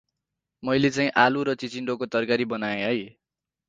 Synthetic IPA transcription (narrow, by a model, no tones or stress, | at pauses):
mʌjlet͡saĩʔaluɾʌt͡sit͡siɳɖokot̪ʌrkaɾibʌnajãɦʌj